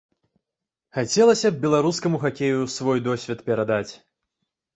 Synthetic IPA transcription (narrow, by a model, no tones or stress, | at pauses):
xat͡sʲɛlˠɐsʲɐbbʲɛlˠaɾuskɐmuxakʲejusvɔjd̪ɔsʲvʲɛt̪pʲɛɾad̪at͡sʲ